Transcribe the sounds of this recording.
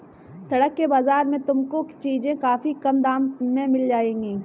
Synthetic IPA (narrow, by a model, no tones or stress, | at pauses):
sɐɽəkːebaːzaːɾmẽt̪ʊmkot͡ʃiːzẽkaːfikɐmd̪aːmmẽmɪld͡ʒaːẽːɡiː